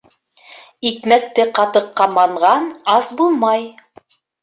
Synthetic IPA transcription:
ikmæk̚t̪ɘqɑt̪ɤ̆qːɑmɑɴʁɑnɑsbulˠmɑj

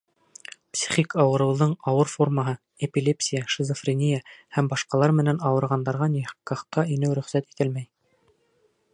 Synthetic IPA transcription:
psʲi̥χʲikɑwɤ̆ɾɤ̆wðɤɴɑwɤɾfo̞rmaɦɤ | epʲilʲepsʲijaʃizofrʲinʲijahæmbɑʃqɑlˠɑɾmɘ̆nænɑwɤ̆ɾʁɑnd̪ɑɾʁɑnihkːɑχt̪ɑinɘwɾɵ̆χsæt̪i̥t̪ɘlmæj

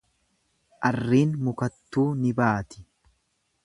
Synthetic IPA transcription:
ʔɐrːiːnmʊkɐt̪ːuːnɪbaːt̪ɪ̥

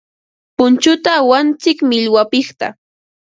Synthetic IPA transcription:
pʊnt͡ʃʊt̪awant͡sɪkmɪʎwapɪχt̪a̰

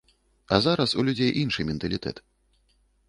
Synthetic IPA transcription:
ɐzaɾɐsulʲud͡zʲejʔinʂɨjmʲɛnt̪ɐlʲit̪ɛ̰t̪

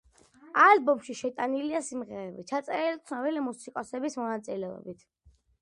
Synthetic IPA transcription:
albɔmʃiʃɛt̪ʼaniliasimʁɛɾɛbit͡ʃʰat̪sʼɛɾɛlit̪sʰnɔbilimusikʼɔsɛbismɔnat̪sʼilɛɔ̰bit̪ʰ

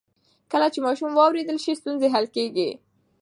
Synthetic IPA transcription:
kəlat͡ʃemɑʃumwɑwɾed̪əlʃist̪unzeɦalkeɡi

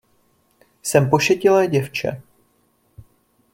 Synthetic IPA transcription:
sɛmpo̞ʃɛcɪlɛːɟɛft͡ʃɛ̰

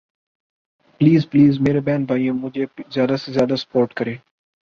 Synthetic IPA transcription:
pliːzpliːzmeːɾeːbɛ̃ːnbʱaːiõmʊd͡ʒʱeːzjaːd̪asezjaːd̪asə̥poːɾʈkəɾeː

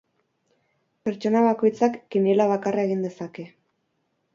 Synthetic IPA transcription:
pe̞ɾt͡ʃo̞naβako̞jt͡sakːinelaβ̞akarae̞ɣind̪e̞sake̞

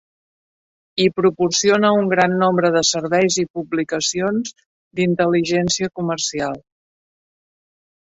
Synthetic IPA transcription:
ipɾupursionəuŋɡɾanːombɾəðəsəɾβɛjzipublikəsionz | d̪int̪əliʒɛnsiəkumərsialˠ

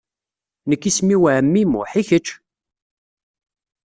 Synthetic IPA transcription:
nəkːismiwʕəmːimʊ̰ħiçət͡ʃː

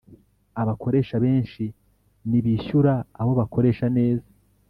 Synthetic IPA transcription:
aβakʰo̞ɾe̞ːʃaβe̞ːnʃi | niβiːçuɾaaβo̞βako̞ɾe̞ːʃane̞ːza

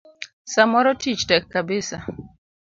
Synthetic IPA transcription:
samɔɾɔtʰit͡ʃtɛkːabɪsa

